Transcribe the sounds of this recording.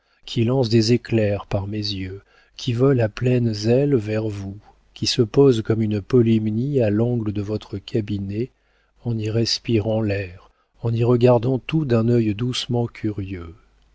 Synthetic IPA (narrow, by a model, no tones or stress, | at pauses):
kʲʰilɑ̃sd̪ezeklɛʁpaʁmezjø | kʲʰivɔlaplɛnzɛlvɛʁvu | kʲʰisəpozkɔmynpɔlimnialɑ̃ɡləd̪əvɔt̪χəkʲʰabine | ɑ̃niʁɛspiʁɑ̃lɛʁ | ɑ̃niʁəɡaʁd̪ɑ̃t̪ud̪ɛ̃nœjd̪usmɑ̃kʲʰyʁjø